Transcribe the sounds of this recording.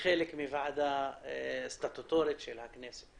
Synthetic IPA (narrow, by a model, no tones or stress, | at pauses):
xeːlekmivaʕd̪a | st̪at̪ut̪oːɾet̪ʃelhakneːse̥t̪